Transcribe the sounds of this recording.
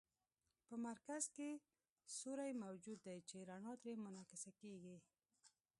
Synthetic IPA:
pəmaɾkazke | soɾajmawd͡ʒud̪ːajt͡ʃeɾaɳɑt̪ɾemʊnɑkɪsakeɡi

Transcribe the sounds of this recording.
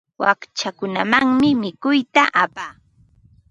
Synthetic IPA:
wa̰kt͡ʃakʊnamaŋmɪmɪkʊjt̪aʔapaː

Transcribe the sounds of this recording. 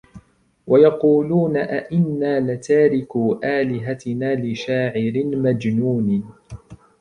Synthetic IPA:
wajɑquːluːnaʔaʔɪnːaːlɪt̪aːɾɪkuːʔaːlɪɦat̪naːlɪʃaːʕɪɾɪmad͡ʒnuːnɪ

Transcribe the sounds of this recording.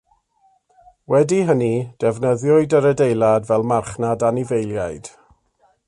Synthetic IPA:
wɛdiɦənid̥ɛvnəðjɔɨdəɾədejlˠadvɛlˠmarχnadanivejlˠjajd̥

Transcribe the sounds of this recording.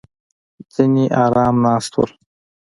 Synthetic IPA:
zineʔɑːɾɑːmnɑːst̪wə̰l

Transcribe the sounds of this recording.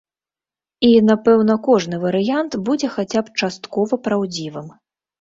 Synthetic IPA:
inapɛwnɐkɔʐnɨvɐɾɨjant̪bud͡zʲɛxat͡sʲapt͡ʂast̪kɔvɐpɾawd͡zʲivɨm

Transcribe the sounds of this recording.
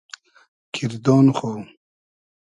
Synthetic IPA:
kʰiɾd̪oːnχo

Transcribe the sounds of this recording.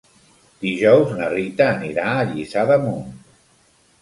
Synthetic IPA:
d̪̥iʒɔwznərit̪əːniɾaːʎisaðəmun

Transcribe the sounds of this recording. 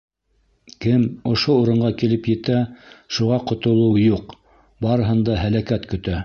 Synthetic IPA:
kɘmŏʃouɾɤ̆ɴɢɑkilɘpjɘ̆t̪æʃuʁɑqŏt̪ŏlˠɤwjuq | bɑɾɤ̆ɦɤ̆nd̪ɑɦælækæt̪kɵ̆t̪æ

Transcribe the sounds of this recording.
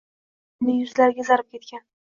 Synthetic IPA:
nd̪ɪjʊzlaɾɡʲazaɾɪp̚kʲʰe̞t̪̚kʲan

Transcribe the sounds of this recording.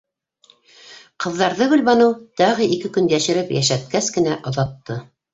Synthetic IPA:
qɤ̆ðːɑɾðɤɡɵ̆lβɑnɤwt̪ɑʁɤikɘkɵnjæʃɘ̆ɾɘpjæ̰ʃæt̪̚kæskɘ̆næʔŏðɑt̪ːɤ

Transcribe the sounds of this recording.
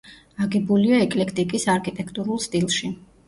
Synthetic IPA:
aɡɛbuliaɛkʼlɛkʰt̪ʼikʼisaɾkʰʼit̪ʼɛkʰt̪ʼuɾulˠst̪ʼilˠʃi

